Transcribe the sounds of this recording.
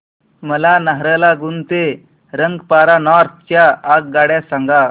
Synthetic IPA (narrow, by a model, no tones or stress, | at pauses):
məlanaɦɾəlaɡunt̪e | ɾəŋɡpaɾanɔɾt̪̚ʰt͡ɕjaːɡ̚ɡaɽjasaŋɡa